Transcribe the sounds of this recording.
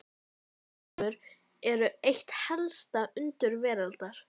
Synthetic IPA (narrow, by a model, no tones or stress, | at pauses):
ʏɾ | ɛɾʏejht̪hɛlst̪aʔʏnt̪ʏɾvɛːɾalt̪aɾ̥